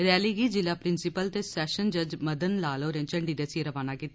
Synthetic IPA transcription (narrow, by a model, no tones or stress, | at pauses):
ɾɛːliːɡiːd͡ʒɪlaːpɾɪnsɪpəlt̪eːsɛːʃənd͡ʒəd͡ʒməd̪ənlaːloːɾẽːt͡ʃəɳɖiːd̪əsieɾəʋaːnaːkiːt̪ːa